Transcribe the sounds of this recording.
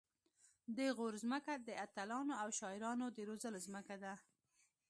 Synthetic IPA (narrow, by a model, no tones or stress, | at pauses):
d̪əɣoɾzməkad̪əat̪alɑnoawʃɑɪɾɑnod̪əɾozəlozməkad̪a